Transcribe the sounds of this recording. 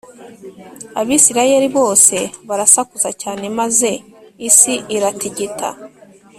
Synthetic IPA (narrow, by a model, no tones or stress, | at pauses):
aβiːsiɾaje̞ɾiβo̞ːse̞βaɾasakuzacaːne̞maze̞isiʔiɾatiɟitʰa̰